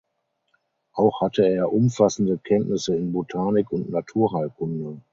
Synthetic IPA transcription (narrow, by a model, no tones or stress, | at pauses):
ʔaʊxhatʰəeːɐʔʊmfasn̩dəkʰɛntnɪsəɪnbotʰaːnɪkʊntnatʰuːɐɦaɪkʰʊndə